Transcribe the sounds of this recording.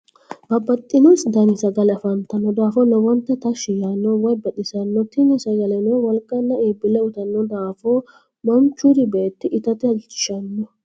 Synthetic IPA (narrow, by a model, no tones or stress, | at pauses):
bɐbɐt̪ʼːɪnʊsd̪ɐnɪsɐɡɐlɐfɐnt̪ɐnːɔd̪aːfɔlɔbɔnt̪ːɛt̪ɐʃɪjanːɔwɔjbɐɗɪsɐnːɔt̪ɪnːɪsɐɡɐlɛnɔwɔlkʼːɐnːɐiːbɪlɛʊt̪ɐnːɔd̪aːfo | mɔnt͡ʃːud̪ɪbeːt̪ːɪʔɪt̪ɐt̪ɪɐɪt͡ʃːɪ̥ʃɐnːɔ